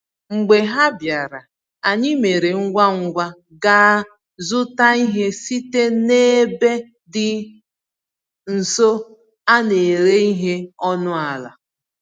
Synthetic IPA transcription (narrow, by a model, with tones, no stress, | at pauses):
ŋ͡m̩˨ɡ͡be˨ɦa˦bja˨ɾa˨ | a˨ɲɪ˦me˨ɾe˨ŋ̩˦ɡʷa˦ŋ̩˦ɡʷa˦ | ɡa˦ | zʊ˦ta˦i˦ɦe˦si˦te˦ne˦be˦ | dɪ˨ | n̩˨so˦ | a˦ne˨ɾe˦i˦ɦe˦ɔ˦nʊ˦a˨la̰˨